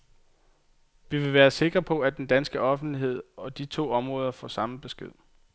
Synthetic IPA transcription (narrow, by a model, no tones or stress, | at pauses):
ʋiʋe̝ʋæːɐse̝ɡ̥ʁɐpʰɒ̽æd̥end̥ænsɡ̥əɒ̽fn̩d̥liɦe̝ð̞̰ˠɒ̽d̥it͡sʰo̝̰ːɒ̽mʁɔ̽ːð̞ˠɐfɒ̰sɑ̈məb̥e̝sɡ̥e̝ð̰ˠ